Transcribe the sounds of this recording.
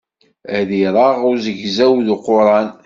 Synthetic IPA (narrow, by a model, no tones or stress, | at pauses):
ðiɾˤɑʁʊɾzəʝzæwðuqʊɾˤɑn